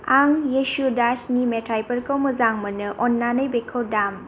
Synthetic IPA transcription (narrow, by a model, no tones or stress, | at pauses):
aŋjesudasnimetʰajpəɾkowmɯzaŋmɯnɯʔɔnːanɯjbekʰowdam